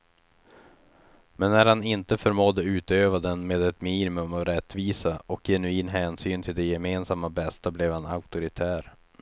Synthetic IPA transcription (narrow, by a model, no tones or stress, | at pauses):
mɛnːæɾhanɪnt̪əfœɾmɔd̪ːəʉ̟ːt̪øːvad̪ɛnmeːd̪ɛt̪miːnɪmɵmɔɾɛt̪ːviːsaʔɔkjɛnɵiːnɦɛːnsyːnt̪ʰɪld̪ɛjɛmeːnsamːabɛst̪ablɛvhana̰ʊkt̪ʊɾɪt̪ʰæːɾ